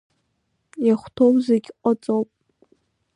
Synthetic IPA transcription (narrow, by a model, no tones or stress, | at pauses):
jaχʷtʰowzeɡʲqʷʼɔt͡sʼowpʼ